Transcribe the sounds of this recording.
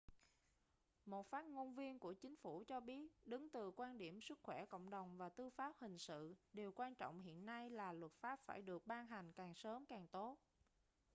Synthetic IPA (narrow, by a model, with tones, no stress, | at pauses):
mo˨˩t̚faː˦˥t̚ŋo˧nvi˧ənku˧˩ət͡ɕï˨˦ŋ̟fu˧˩t͡ɕɔ˧ɓi˦˥ət̚ɗɨ˨˦ŋt̪ɨ˨˩kwaː˧nɗi˧˩əmsɨ˦˥k̚xwɛ˧˩ko̰˧˨wŋ͡mɗə˨˩wŋ͡mvaː˨˩t̪ɨ˧faː˦˥p̚hï˨˩ŋ̟sɨ̰˧˨ɗe˨˩wkwaː˧nt͡ɕɔ̰˧˨wŋ͡mɦḭ˧˨ənːa˧jlaː˨˩lwə˨˩t̚faː˦˥p̚faː˧˩jɗɨ˨˩ək̚ɓaː˧nɦa˨˩ŋ̟kaː˨˩ŋsəː˨˦mkaː˨˩ŋt̪o˦˥t̚